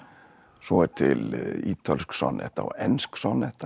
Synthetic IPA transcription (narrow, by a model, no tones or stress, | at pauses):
sɔɛɾt̪ʰɪliːt̪ʰalsksɔ̰nːɛ̰ht̪a̰wɛnsksɔnɛht̪a